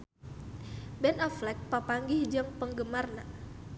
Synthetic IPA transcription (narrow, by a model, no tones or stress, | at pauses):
bɛnɔflɛk̚papaŋɡihd͡ʒaŋpəŋɡəmarna